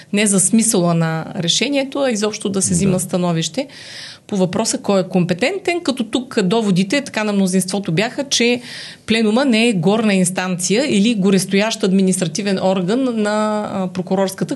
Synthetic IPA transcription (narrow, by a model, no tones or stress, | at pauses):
nɛzɐsmisəlˠənɐɾɛʃɛnʲiɛt̪oɐizɔpʃt̪od̪ɐsɛziməst̪ɐnɔviʃt̪ɛ | povɐpɾɔsəkɔjɛkompɛt̪ɛnt̪ɛnkɐt̪ɔt̪ukd̪ɔvod̪it̪ɛt̪ɐ̥kanɐmnozinst̪vɔt̪objaxət͡ʃɛplɛnumənɛɛɡɔɾnəinst̪ant̪sijəiliɡʊɾɛst̪ojaʃt̪ɐd̪minist̪ɾɐt̪ivɛnʔɔɾɡənːɐpɾokʊɾɔɾskət̪ə